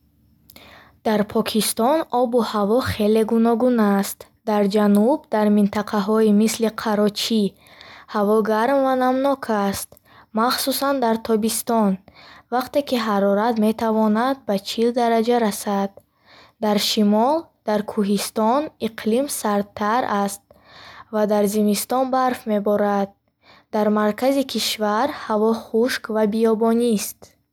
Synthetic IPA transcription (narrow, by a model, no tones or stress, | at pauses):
d̪̥aɾpʰɔkʰist̪ɔnɔbuhavɔχe̞le̞ɡunɔɡunast̪ | d̪aɾd͡ʒanubd̪aɾmint̪ʰaqʰaɦɔimisliqʰaɾɔt͡ʃʰi | havɔɡaɾmvanamnɔkʰast̪ | maχsusand̪aɾt̪ʰɔbist̪ɔnvaqt̪e̞kiɦaɾɔɾat̪me̞t̪ʰavɔnad̪̚bat͡ʃʰild̪aɾad͡ʒaɾasad̪ | d̪aɾʃimɔld̪̥aɾkʰuɦist̪ɔniqʰlimsaɾt̪ʰːaɾast̪̚ | vad̪aɾzimist̪ɔnbaɾfme̞bɔɾad̪̚ | d̪aɾmaɾkʰazikʰiʃvaɾhavɔχuʃkvabiɔbɔnist̪